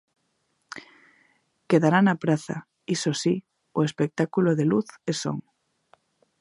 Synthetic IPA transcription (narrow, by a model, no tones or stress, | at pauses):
keðaɾanapɾaθa̰ | isosi | oespek̚t̪akuloðeluθeso̰ŋ